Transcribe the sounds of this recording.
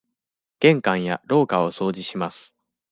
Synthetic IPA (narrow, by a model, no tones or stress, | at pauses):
ɡ̥ẽ̞ŋkãɰ̃ja̰ɾo̞ːkao̞so̞ːʑiɕimasɨ̥